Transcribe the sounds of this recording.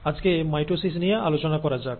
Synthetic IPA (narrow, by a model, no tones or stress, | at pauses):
ad͡ʑkemajʈosisnijaʔalot͡ɕonakɔɾad͡ʑak̚